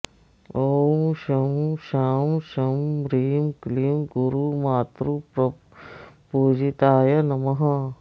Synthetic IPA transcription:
oːʃɐmʃaːmʃɐmɾiːmkliːmɡuɾumaːt̪ɾupɾ | puːd͡ʒit̪aːjɐnɐmɐɦɐ

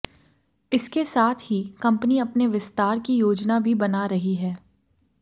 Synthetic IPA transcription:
ɪskesaːt̪ʰɦikɐ̃mpniɐpneʋɪst̪aːɾkijoːd͡ʒnabʱibɐnaɾɐɦiɦɛː

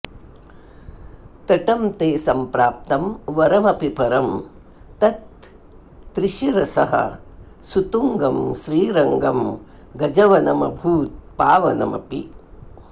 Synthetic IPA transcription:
t̪ɐʈɐmt̪eːsɐmpɾaːp̚t̪ɐmʋɐɾɐmɐpipɐɾɐm | t̪ɐt̪ː | ɾiʃiɾɐsɐɦɐ̰ | sut̪uŋɡɐmʃɾiːɾɐŋɡɐm | ɡɐd͡ʒɐʋɐnɐmɐ̰bʱuːt̪̚paːʋɐnɐ̰mɐ̰pḭ

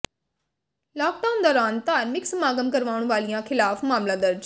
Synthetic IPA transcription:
lɔːk̚ɖaːʊnd̪aːɾaːnt̪aːɾmɪksəmaːɡəmkəɾʋaːʊɳʋaːlijãːkʰɪlaːfmaːmlãːd̪əɾd͡ʒ

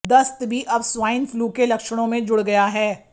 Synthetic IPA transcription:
d̪ɐst̪bʱiʔɐbswaːɪnfluːkelɐkʃəɽ̃õmẽd͡ʒʊɽɡɐjaɦɛː

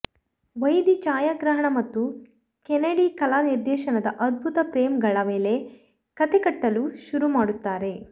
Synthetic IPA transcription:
ʋɐjd̪it͡ʃaːjaːɡɾɐɦɐɳɐmɐt̪ːu | kɛnɐɽikɐlaːniɾd̪ɛːʃɐnɐd̪ɐʔɐd̪̚bʱut̪ɐpɾeːmɡɐɭɐme̞ːle̞ | kɐt̪ekɐʈːɐluʃuɾumaːɽut̪ːaːɾe̞

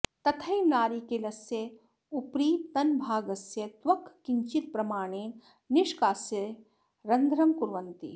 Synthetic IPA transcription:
t̪ɐt̪ʰɐimnaːɾiːkelɐsje | upɾiːt̪ɐnbʱaːɡɐsjɐt̪ʋɐkʰkiɲt͡ʃit̪̚pɾɐmaːɳ̃eːn | niʃkaːsjɐ | ɾɐnd̪ʱɾɐmkuɾʋɐnt̪ḭ

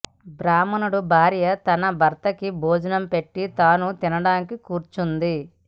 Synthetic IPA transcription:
bɾaːmɐnuɽubʱaːɾjɐt̪ɐnɐbʱɐɾt̪ɐkibʱoːd͡ʒɐnɐmpe̞ʈːit̪aːnut̪inɐɽaːnikikuːɾt͡ʃund̪i

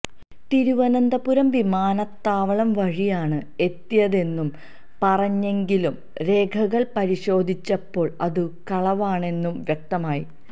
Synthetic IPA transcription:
t̪iɾuʋɐnɐnd̪ɐpuɾɐmʋimaːnɐt̪ːaːʋɐɭɐmʋɐɻijaːɳɨe̞t̪ːijɐðe̞nːum | pɐrɐɲːe̞ŋɡilum | ɾe̞ːkʰɐɣɐɭpɐɾiɕo̞ːd̪ʱit͡ɕːɐpːo̞ːɭɐðɨkɐɭɐʋaːɳe̞nːumʋjɐk̚t̪ɐmaːjḭ

